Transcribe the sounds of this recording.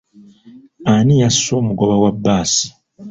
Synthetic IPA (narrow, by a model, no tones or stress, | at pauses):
anijaso̞ːmuɡo̞βawabːaːsi̥